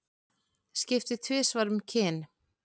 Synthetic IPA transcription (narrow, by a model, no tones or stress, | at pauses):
scɪft̪ɪt̪ʰvɪːsvaɾʏmcʰɪːn